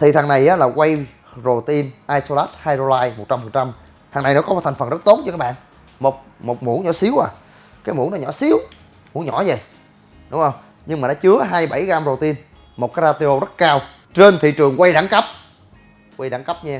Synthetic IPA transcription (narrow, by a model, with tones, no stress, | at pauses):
t̪ʰi˨˩t̪ʰaː˨˩ŋna˨˩jʔaː˨˦laː˨˩kwa˧j | zo˨˩t̪i˧nʔaː˧jso˧laː˦˥t̚haː˧jzo˧laː˧jmo˨˩t̚t͡ɕa˧mfə˨˩nt͡ɕa˧m | t̪ʰa˨˩ŋna˨˩jnɔ˨˦kɔ˨˦˨t̪ʰŋ̟fə˨˩nzə˦˥t̚t̪o˨˦˥nt͡ɕɔ˧kaː˦˥ɓa̰ː˧˨ | mo˨˩t̚mo˨˩t̚mṵ˧˦ɲɔ̰˧˩˦si˨˦əwʔaː˨˩ | kaː˨˦jmṵ˨˧˦nɔ˨˦ɲɔ̰˧˩˦si˨˦əw | mu˧˦ɲɔ̰˧˥zə˨˩j | ɗʊ˨˦ŋ͡mhə˧wŋ͡m | ɲɨ˧ŋmaː˨˩ɗa̰˧˦t͡ɕɨ˨˦əɦaː˧jɓa˧˩jɣaː˧mzo˨˩t̪i˧n | mo˨˩t̚kaː˨˦ɾaː˧t̪i˧ʔo˧zə˦˥t̚kaː˧w | t͡ɕe˧nt̪ʰḭ˧˨t͡ɕɨ˨˩əŋkwa˧jɗa˧˨˦ŋkə˦˥p̚ | kwa˧jɗa̰˧˨˦ŋkə˦˥p̚ɲa˧